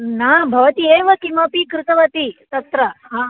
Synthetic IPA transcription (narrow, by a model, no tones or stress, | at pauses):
nabʱɐʋɐt̪ieʋəkimɐpikɾut̪ɐʋɐt̪it̪ɐt̪ɾɐɦã